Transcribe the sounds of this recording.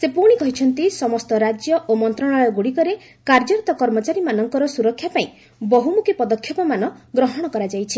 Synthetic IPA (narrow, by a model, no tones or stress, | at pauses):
sepuɽ̃ikɔɦit͡ʃʰɔnt̪isɔmɔst̪ɔɾad͡ʒjɔʔomɔnt̪ɾɔɽ̃aɭɔɡuɽikɔɾe | kaɾd͡ʒɔɾit̪ɔkɔɾmɔt͡ʃaɾimanɔŋkɔɾɔsuɾɔkʰːjapaĩ | bɔɦumukʰipɔd̪ɔkʰːjɔpɔmanɔɡɾɔɦɔɽ̃ɔkɔɾad͡ʒajt͡ʃʰi